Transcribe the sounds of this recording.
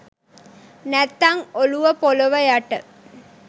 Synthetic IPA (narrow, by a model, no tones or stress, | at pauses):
nɛt̪ːɐŋoluʋɐpolɐʋɐjaʈːɐ